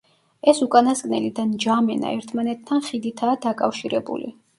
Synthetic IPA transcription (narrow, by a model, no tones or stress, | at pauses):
ɛsukʼanaskʼnɛlid̪and͡ʒamɛna̰ɛɾt̪ʰmanɛt̪ʰːanχid̪it̪ʰaːd̪akʼafʃiɾɛbṵlḭ